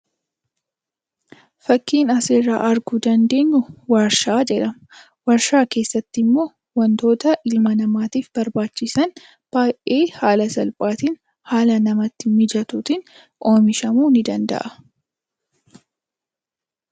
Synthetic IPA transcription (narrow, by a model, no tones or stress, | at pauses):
fɐkːiːnɐseːɾaːʔɐɾɡʊd̪ɐnd̪e̞ːɲːʊwɐɾʃaːd͡ʒɛᶑɐ | wɐɾʃaːke̞ːsːɐt̪ːɪmːo̞ː | wɐnt̪o̞ːt̪ɐʔɪlmɐnɐmaːt̪iːfbɐɾbaːt͡ʃːɪsɐn | b̥aːjʔeːhaːlɐsɐlpʼaːt̪iːn | haːlɐnɐmɐt̪ːɪmɪd͡ʒɐt̪ut̪ɪn | ʔo̞ːmɪʃɐmuːnɪd̪ɐnd̪ɐ̰ʔɐ